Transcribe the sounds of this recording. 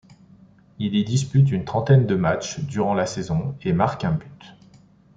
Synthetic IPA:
ilid̪ispyt̪̬ynt̪χɑ̃t̪ɛnd̪əmat͡ʃd̪yʁɑ̃lasezɔ̃emaʁkɛ̃byt̪

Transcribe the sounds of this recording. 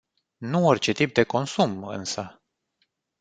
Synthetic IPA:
nuorʲt͡ʃe̞t̪ip̚d̪e̞ko̞nsumɨ̰nsə

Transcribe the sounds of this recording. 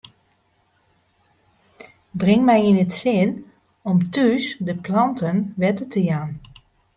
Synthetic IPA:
brɪŋmɛjinətsɪən | ɔmtyːsdəplɑntənʋɛtətʰəjaːn

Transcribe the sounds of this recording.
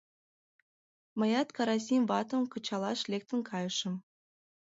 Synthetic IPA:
mɤ̆jɑt̪kɑɾɑs̬ʲimvɑt̪ə̆mkɤ̆t͡ɕɑlˠɑʃlʲek̚t̪ə̆nkʰɑjɤ̆ʃə̆m

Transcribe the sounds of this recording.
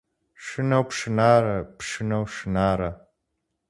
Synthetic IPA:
ʂɨnɐwpʂɨnaːɾɐpʂɨnɐwʂɨnaːɾɐ

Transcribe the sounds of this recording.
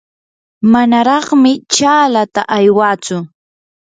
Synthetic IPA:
manaɾɑχmɪt͡ʃaːlat̪aʔajwaːt͡sʊ

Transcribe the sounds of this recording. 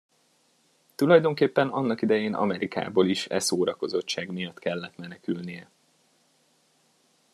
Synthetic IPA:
t̪ulɒjd̪o̞ŋkeːpːɛnɒnːɒkid̪ɛjeːnɒ̰mɛɾika̰ːboliʃɛsoːɾɒko̞zo̞t͡ʃt͡ʃːaːɡmijɒt̪ːkɛlːɛt̪mɛnɛkylnijɛ

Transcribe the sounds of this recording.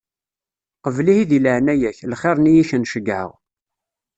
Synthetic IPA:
qəvlihiðiləʕnæjæçlχeɾˤnijiçənʃəɡʕə̰ʁ

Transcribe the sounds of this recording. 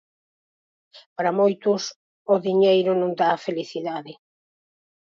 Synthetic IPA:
paɾɐmojt̪ʊs | ʊðiɲejɾʊnõŋd̪aːfeliθiðaðɪ

